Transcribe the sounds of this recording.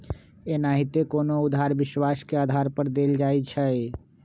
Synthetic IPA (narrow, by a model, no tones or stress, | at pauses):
enaɦit̪ekonoʊd̪ʱaɾbɪʃwaskeaːd̪ʱaɾpəɾd̪eːld͡ʒaːit͡ʃʰəe